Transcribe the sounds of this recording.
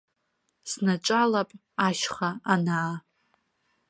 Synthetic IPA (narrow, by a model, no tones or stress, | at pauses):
snaʈ͡ʂʷʼalapʼ | aʃχaanaː